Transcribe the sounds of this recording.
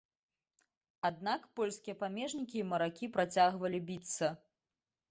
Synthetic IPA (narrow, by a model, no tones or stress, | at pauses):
ad̪̚nakpɔlʲskʲijɐpamʲɛʐnʲikʲiːmɐɾakʲipɾat͡sʲaɣvɐlʲibʲit̪sːɐ